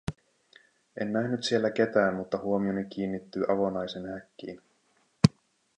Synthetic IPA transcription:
e̞nːæhnyt̪sie̞lːæk̟e̞t̪æːnmut̪ːɑhuo̞mio̞nik̟iːnːit̪ːyːʔɑʋo̞nɑjsenhækːḭːn

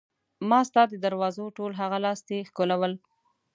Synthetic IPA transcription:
mɑst̪ɑd̪əd̪aɾwɑzoʈolɦaɣalɑst̪exkolawəl

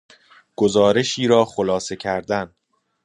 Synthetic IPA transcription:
ɡ̥ozɒːɾe̞ʃiːɾɒːxolɒːse̞cʰæɾd̪æn

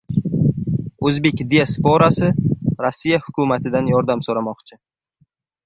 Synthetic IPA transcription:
ɵzbe̞kʲd̪iaspoɾasɪɾasːijahʊkʰʊmat̪ʰɪd̪anjɒɾd̪amsoɾamɒqt͡ʃʰɪ

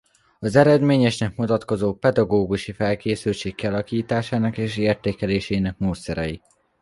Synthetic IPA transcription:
ɒzɛɾɛd̪meːɲɛʃnɛkmut̪ɒt̪ko̞zoːpɛd̪ɒɡoːɡuʃifɛlkeːsylt͡ʃeːkkːiɒlɒkiːt̪aːʃaːnɒkeːʃeːrt̪eːkɛleːʃɛːinɛk̚moːt̪sːɛɾɛji

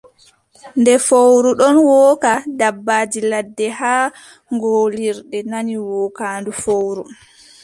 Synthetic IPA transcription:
ndɛfowɾuɗɔnwɔːkadabːaːd͡ʒiladːɛhaː | ŋɡoːliɾɗɛnaniwɔːkaːndufowɾu

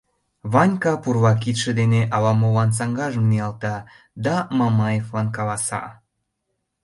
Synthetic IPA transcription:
βɑnʲkɑpurβɑk̬it̪ʃĕd̪eneʔɑlɑmoβɑns̬ɑŋɡɑʒəmneɑlt̪ɑ | d̪ɑmɑmɑjeflɑnkɑlɑsɑ̰

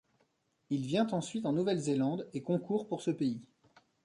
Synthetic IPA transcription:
ilvjɛ̃t̪ɑ̃sɥit̪ɑ̃nuvɛlzelɑ̃d̪ekɔ̃kuʁpuʁsəpei

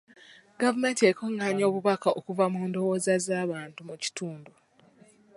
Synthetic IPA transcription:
ɡavume̞ːntiekʰoŋaːɲo̞ːβuβakaokuvamuːndo̞woːzazaːβaːntumuci̥tuːndo

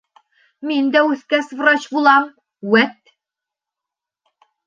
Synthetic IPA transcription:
mind̪æʉθkæsvrot͡ɕbulˠɑm | wæt̪

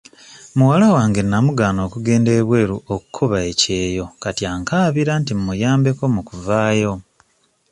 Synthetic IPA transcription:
muwalawaːŋɡe̞namuɡaːno̞ːkuɡe̞ːnde̞ːβwe̞ːɾuoku̥kʰoβaece̞ːjo̞katjaŋkaːβiɾantimmujaːmbe̞ko̞mukuvaːjo̞

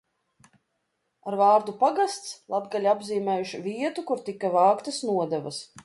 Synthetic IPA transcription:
aɾvaːɾd̪upaɡast̪slˠabɡalʲabziːmɛːjuʃviɛt̪ukuɾt̪ikːavaːkt̪asnuɔd̪ɛva̰s

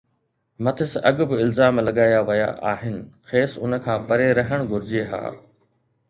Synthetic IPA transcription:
mɐt̪ʰɪsɐɠʊbɪɪlzaːmlɐɠaːjaʋɐja̰ʔa̰ːɦɪnɪ̆xeːsʊnə̆kʰãːpɐɾeɾɐɦəɽ̃ɡʱʊɾɪd͡ʑeɦa̰ː

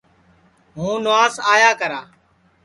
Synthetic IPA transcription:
ɦũːnʊaːsaːjaːkəɾaː

